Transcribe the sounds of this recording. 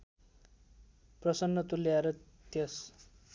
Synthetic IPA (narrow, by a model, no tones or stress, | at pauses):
prʌsʌnːʌt̪uliaɾʌ | t̪jʌs